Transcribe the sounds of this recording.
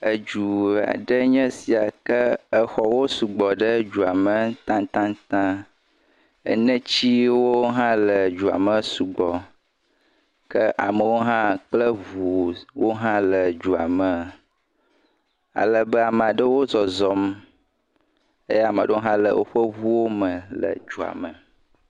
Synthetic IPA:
ə˨d͡ʒu˨a̰˨ɖə˦ɲɛ̃˦si˨a˨kə˦ə˦xɔ˨wo˦su˨ɡ͡bɔ˨ɖə˦d͡ʒu˨a˨mə˨t̪ã˦t̪ã˦t̪ã˦ | ə̰˨nɛ̃˦t͡ɕi˦wo˦ɦã˦lə˨d͡ʒu˨a̰˨mə̃˨su˨ɡ͡bɔ˨ | kə˦ʔa˨mə˨wo˦ɦã˦k͡plə˦vu˨wo˦ɦã˦lə˨d͡ʒu˨a̰˨mə̃˨ | a̰˨lə˨bə˦a˨mə̃˨a˨ɖə˦wo˦zɔ˨zɔ˨m | e˦ja˨mə̃˨ɖə˦ɦã˦lə̰˨wo˦ɸə˦vu˦wo˦mə̃˨lə̰˨d͡ʒu˨a̰˨mə˨

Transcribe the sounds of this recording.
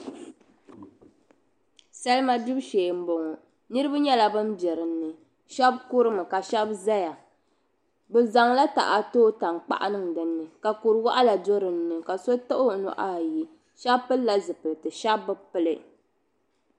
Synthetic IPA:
sa˦lma˦du˦bʃeː˨m̩˦bo˨ŋɔ˨ | nɨ˦ɾɨ˦ba˦ɲɛ˦la˨bɨ˦n˦bɛ˨ɾɨ˨n̩ːɨ˨ | ʃɛ˦b̚ku˦ɾɨ˦mɨ˨ka˨ʃɛ˦bza˦ja˨ | bɨ˨za˨ŋla˦ta̰˨ʔa˨toː˦ta˨ŋk͡pa̰˦ʔa̰˦nɨ˦ŋ˨dɨ˨nːɨ˨ka˨ku˨ɾɨ˨wa˦ʔa˦la˨do˦ɾɨ˨n̩ː˦ɨ˨ka˨so˦tɨ˦ʔo˦nɔ̰˨ʔa˦˨ji˦ | ʃa˦bpɨ˦lːa˦zɨ˨pɨ˨lɨ˨tɨ˨ʃa˦bːɨ˦pɨ˦lɨ˦

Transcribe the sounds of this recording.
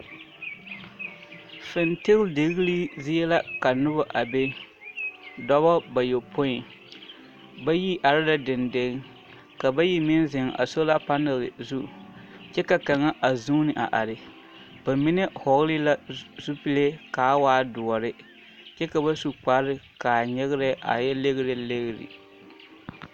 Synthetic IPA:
fɪ˨ntɪ˦lde˨ɣi˦li˦zɪ˦jɛ˦la˦ka˨nʊ˦ba˨ʔa˨be˦ | dɔ˦βɔ˦ba˨jo˨po˦ɪ˨ | ba˦ji˦ʔa˨ɾɪ˦da˨dɪ˨nde˦ɣɪ˦ | ka˨ba˦ji˦mɪ˦nzɪ˨ŋa̰˨so˦la˦pa˦nɪ˨lɪ̰˨zu˦˨ | t͡ʃɛ˦ka˨ka˨ŋa˦ʔa˨zuː˦nɪ˨ʔa˨ʔa˨ɾɪ˨ | ba˨mi˦ne˦hɔ˨ɣlɪ˦la˦zu˦pi˦le˦kaː˨˦waː˦dʊ˨ɔ˨ɾɪ˦ | t͡ʃɛ˦ka˨ba˦su˨k͡pa˦ɾɪ˦ka˨ɲɛ˦ɣɪ˦ɾɛ˦ʔa̰˨jɛ˦le˦ɣɪ˦ɾɪ˨le˦ɣɪ˨ɾɪ̰˨

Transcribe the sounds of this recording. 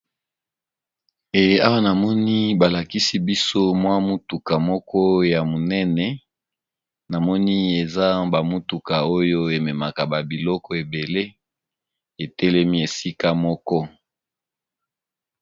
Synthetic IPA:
e˨a˦wa˦na˨mɔ˦ni˦ba˨la˨ki˦si˦bi˦so˦mwa˦mu˦tu˨ka˨mɔ˦kʰɔ˦ja˨mo˨nɛ˦nɛ˨ | na˨mɔ˦ni˦e˨za˦ba˨mu˦tu˨ka˨o˦jo˦e˨mɛ˨ma˨ka˨ba˨bi˨lɔ˦kɔ˦e˨be˨le˦ | e˨tɛ˦lɛ˦mi˦e˨si˦ka˦mɔ˦kɔ˦

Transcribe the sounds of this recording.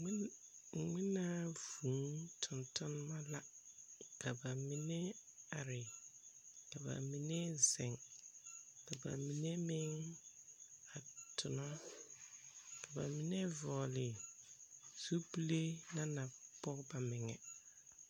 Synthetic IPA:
ŋɪ˦na˦vu˨˦ŋtʰʊ˨ntʰʊ˦n˦ma˦la˦ka˨ba˨mi˨ne˦a˨ɾɪ˨ | ka˨ba̰˨mi˨ne˦zɛ̃˨ŋ | ka˨ba̰˨mĩ˨ne˦mɪ˦ŋ | a˨tʰʊ˨nɔ˦ | ka˨ba̰˨mĩ˨ne˦vɔː˨lɪ˨ | zu˦pi˦le˦na˦na˨pɔ˦kba˨mɪ˨ŋɛ̰˨

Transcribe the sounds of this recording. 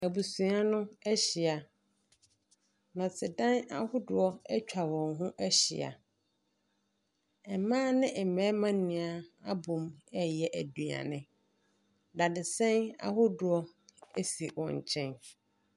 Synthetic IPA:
æ˨bu˨sũ˨a˦nʊ̃˦ɛ˦ɕi˨a˨ | nɔ̃˨t͡sʰɪ˨dã˦na˦hʊ˦dʊ˨ɔ˦ɛ˦t͡ɕᶣa˨wɔ̃˨ŋɦʊ̃˦ʔæ˦ɕḭ˨a̰˨ | ɛ˨mãː˦nɪ̃˦ʔɛ˨mɛ̃ː˨˦mã˦n˦nĩ˨a˦a˦bʊ̃˨mɛ˦jɛ˨ʔæ˨du˨a̰˨nɪ̃˨ | da˨dɪ˨sɛ̃˦na̰˦hʊ˦dʊ˨ɔ˦ | ɛ˦si˨wɔ̃˨ɲ˨t͡ɕʰɛ̃˦n

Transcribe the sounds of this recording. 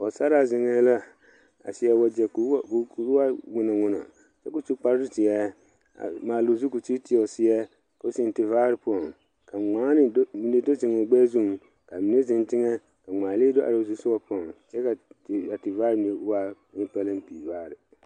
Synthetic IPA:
ɔ˨sa˦ɾa˨zɪ˨ŋɛ˦la˦ | a̰˨sɪ˦ɛ˦wa˦d͡ʒɛ˨kkwa˦ŋʊ˦nɔ˨ŋʊ˦nɔ̰˨ | t͡ʃɛ˦kʊ˨t͡ʃi˦k͡pa˦ɾzʊ˦tɪ˨jɛ˦ | a̰˨maː˨lo˨zu˦ku˨t͡ʃi˦tɪ˦ɔ˨sɪ˦ɛ˦ | ko˨˦sɪ˨n˨tɪ˨vaː˦ɾɪ˨pɔ˨ŋ | ka˨ŋ͡maː˦nɪ˨˦mi˨ne˦do˦zɪ˨ŋ˨ɔ˨ɡ͡bɛː˦zu˦˨ŋ | ka˨mi˨ne˦zɪ˨ntɪ˦ŋɛ˦ | ka˨ŋ͡maː˨leː˦do˦ʔa̰˨ɾo˨zu˦sʊ˦wa˦pɔ˨ŋt͡ʃɛ˦ka˨a˨tɪ˨vaː˦ɾɪ˦mi˨e˨˦wa˦ | ɪ˦pa˦li˦npḭ˨vaː˦ɾɪ˨

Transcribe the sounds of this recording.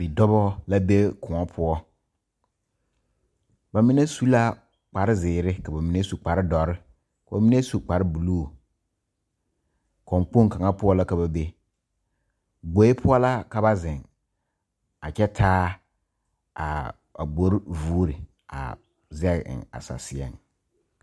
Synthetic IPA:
bi˨dɔ˦bɔ˦la˦be˦kʰʊ̃˨ɔ˦pʰʊ˦ɔ˦ | ba˨mi˦ne˦su˦la˦ | k͡pa˨ɾɪ˦zɪː˨ɾɪ˦ka˨ba˨mi˦ne˦su˨k͡pa˨ɾɪ˦dɔ˨ɾɪ˦ | ka˨ba˨mi˦ne˦su˨k͡pa˨ɾɪ˦bu˨lu˦˨ | kɔ˨ŋk͡po˦ŋ˨ka˨ŋa˦pʊ˦ɔ˦la˦ka˨ba˨be˦ | ɡ͡bo˨˦e˦pʰʊ˦ɔ˦la˦ka˨ba˦zɪ̃˨ŋ | a˨kɛ˦tʰaː˦ | a̰˨ | a̰˨ɡ͡bo˦ɾvuː˦ɾɪ˨ | a̰˨ | zɛ˦ɣɪ̰˨ŋa̰˨sa̰˨sɪ˨ɛ̰˦˨ŋ

